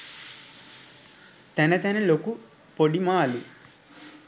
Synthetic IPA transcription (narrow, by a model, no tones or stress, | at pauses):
t̪ɐnɐt̪ɐnɐloku | poɽimaːlu